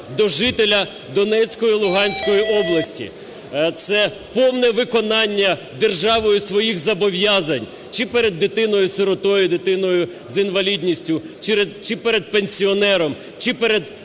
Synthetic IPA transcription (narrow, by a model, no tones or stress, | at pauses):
d̪ɔʒɪt̪elʲɐ | d̪ɔnɛt͡sʲkɔjilˠʊɦɑnʲsʲkɔjiʔɔblˠɐsʲtʲḭ | t̪sɛ | pɔwnɛʋɪkɔnɑnʲːɐ | d̪erʒɑʋɔjʊsʋɔjixzɐbɔʋʲjɑzɐnʲ | t͡ʃɪpɛɾed̪ːɪt̪ɪnɔjʊseɾɔt̪ɔjʊd̪ɪt̪ɪnɔjʊ | zinʋɐlʲidʲnʲisʲtʲʊ | t͡ʃɾt͡ʃɪpɛɾed̪̚penʲsʲiɔnɛɾɔm | t͡ʃɪpɛɾed̪